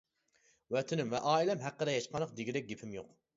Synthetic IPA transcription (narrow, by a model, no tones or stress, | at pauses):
wɛt̪ʰɪnɪmvɛʔɑːilɛmɦæqːəɾɛjɛʃqʰɑnəqd̪ɪɡʲiɾɛk̚ʲɡʲipʰɪmjoq